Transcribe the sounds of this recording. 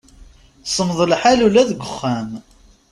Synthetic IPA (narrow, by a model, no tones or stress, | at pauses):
sˤəmðˤəlħalulæðɡʷəχːæm